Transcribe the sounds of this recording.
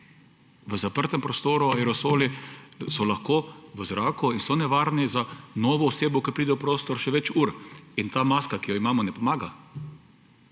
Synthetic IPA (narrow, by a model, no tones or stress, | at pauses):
ʋəzapəɾt̪ɛmpɾɔst̪oːɾuaɛɾɔsoːlisɔlaxkoːʋəzɾaːkuinsɔnɛʋaːɾnizanɔːʋɔːseːbɔkəpɾiːd̪ɛpɾoːst̪ɔɾʃɛʋɛt͡ʃuːɾint̪aːmaːskakijɔimaːmɔnɛpɔmaːɡa